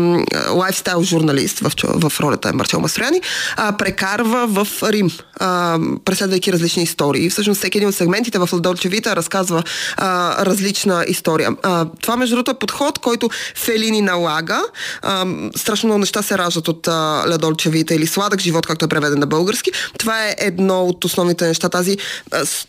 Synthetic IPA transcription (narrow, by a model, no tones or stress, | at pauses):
lˠajfst̪ajlˠʒuɾnɐlḭst̪vɐ̰fvɐfɾɔlʲɐ̰t̪ə̰ɛ̰mɐ̰ɾt̪ʲɛ̰lˠmɐst̪ɾʊjanipɾɛkaɾvəvəfɾim | əpɾɛt̪slɛd̪vəjkiɾɐzlit͡ʃniːst̪ɔɾiːfsɤʃ̬nost̪sɛkʲiɛd̪ĩnot̪sɛɡmɛnt̪it̪ɛvɐflʲɛd̪ɔlʲt͡ʃɛvit̪əɾɐskazvə | ɾɐzlit͡ʃnəʔist̪ɔɾijə̰t̪ovamɛʒd̪uɾɔt̪oɛpot̪xɔt̪kɔjt̪ʊfɛlininɐlˠaɡə | st̪ɾaʃ̬nomnɔɡʊnɛʃt̪asɛɾaʒd̪ət̪ot̪əlʲɛd̪ɔlʲt͡ʃɛvit̪əilislˠad̪əɡʒivɔt̪kak̚t̪oɛpɾɛvɛd̪ɛnːɐbɤlˠɡəɾsk̟it̪ovaɛʔɛd̪nɔot̪osnɔvnit̪ɛnɛʃt̪at̪azis